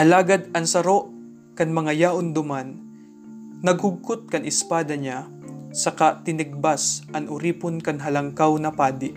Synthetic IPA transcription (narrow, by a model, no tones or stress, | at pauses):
ʔɐlaːɡɐd̪̚ɐŋsɐɾo̞ʔ | kɐŋmɐŋajaːʔʊnd̪ʊmanː | ɐɡ̚hʊɡ̚kʊt̪̚kɐŋʔɪspaːd̪ɐɲa | sɐkat̪ɪnɪɡ̚basʔɐŋʔʊɾiːponkɐŋɦɐlɐŋkawnɐpaːd̪ɪʔ